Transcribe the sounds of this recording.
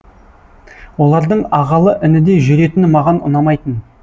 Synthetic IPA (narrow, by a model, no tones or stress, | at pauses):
wo̞lˠɑɾd̪əɴɑʁɑlˠəʔɪnɪd̪e̞ʒʏɾe̞t̪ɪnɪmɑʁɑnʊ̰nɑmɑjt̪ən